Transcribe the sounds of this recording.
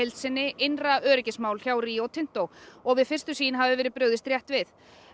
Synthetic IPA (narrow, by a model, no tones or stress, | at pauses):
ejlt̪sɪnːɪʔejnraœːɾɪcɪsmaːwlçawriːowt̪ʰɪn̥t̪owɔɣvɪðfɪr̥st̪ʏsiːnɦavɪvɛːɾɪðpɾʏɥðɪst̪ɾjɛht̪vɪθ